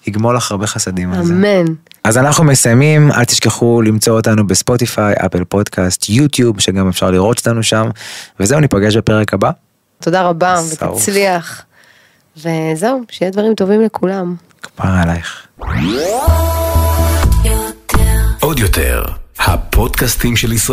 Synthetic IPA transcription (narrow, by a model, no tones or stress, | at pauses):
hiɡmolaχaʁbeχasad̪imaamenazanaχnumesajmima̰lt̪iʃkeχulimt͡so̞otanubespo̞tifajʔa̰pelpo̞dkʰastʰjut̪jubʃeɡamefʃaʁliʁo̞t̪o̥t̪anuʃamvezeuanipaɡe̞ʃbape̞ʁekaba | t̪o̞daʁabavḛt͡sliaχ | vezewʃejed̪vaʁimt̪o̞vimlekʰulam | kbaalajχ | tʰod̪jotʰḛʁha̰pʰodkast̪imʃelisʁ